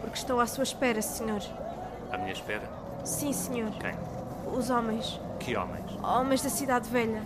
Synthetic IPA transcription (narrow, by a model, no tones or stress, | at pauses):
puɾkʃt̪ɐ̃w̃asuɐʃpɛɾɐsɨɲoɾ | a̰miɲɐʃpɛɾɐ | sĩsɨɲoɾkɐ̰̃j̃ | uzɔmɐ̃j̃ʃ | kɨɔ̰mɐ̰̃j̃ʃɔmɐ̃j̃ʒðɐsiðaðvɛʎɐ